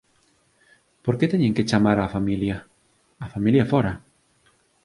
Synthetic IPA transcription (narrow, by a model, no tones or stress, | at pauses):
poɾket̪ɛɲẽŋket͡ʃamaɾafamiljaː | familjafoɾa